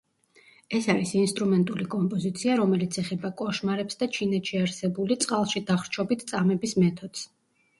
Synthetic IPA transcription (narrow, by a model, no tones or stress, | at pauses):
ɛsaɾisinst̪ʼɾumɛnt̪ʼulikʼɔmpʼɔzit̪sʰiaɾɔmɛlit̪sʰɛχɛbakʼɔʃmaɾɛpsd̪at͡ʃʰinɛt̪ʰʃiaɾsɛbulit̪sʼqʼalˠʃid̪aχɾt͡ʃʰɔbit̪ʰt̪sʼamɛbismɛt̪ʰɔd̪̥s